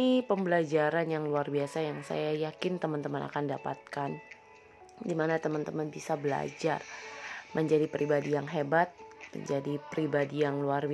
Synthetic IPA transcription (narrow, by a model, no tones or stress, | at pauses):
ipəmbəlad͡ʒaɾanjaŋluarbiasajaŋsa̰jajakɪnt̪əmənt̪əməna̰kandapa̰t̪̚kan | dimanat̪əmant̪əmənbisabəla̰d͡ʒarmʔəɲd͡ʒadipɾibadijaŋɦebat̪̚mə̰ɲd͡ʒadipɾibadijaŋluarb